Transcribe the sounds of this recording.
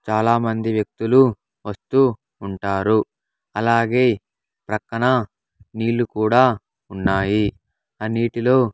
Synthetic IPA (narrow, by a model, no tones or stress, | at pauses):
t͡ʃaːlaːmɐnd̪iʋjɐk̚t̪ulu | ʋɐst̪uː | ɳʈaːɾu | ɐlaːɡe̞ː | pɾɐkːɐɳɐ | niːlːukuːɽaː | unːaːji | ɐnːiːʈilo̞ː